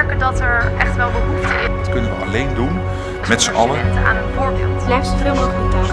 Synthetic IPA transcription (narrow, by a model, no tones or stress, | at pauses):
ɹkəndɑtɛɹʔɛχtʋɛlˠbəɦutɪtkɵnəʋəalejndun | mɛtsəʔɑləntəa̰ːnənvʊːɹbɪ̰ːlˠtɛsfɪoədə